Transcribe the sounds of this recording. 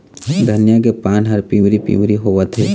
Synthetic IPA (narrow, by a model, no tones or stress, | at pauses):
d̪ʱənjakepaːnɦɐɾpiwɾipḭwɾiɦoːʋat̪ʰe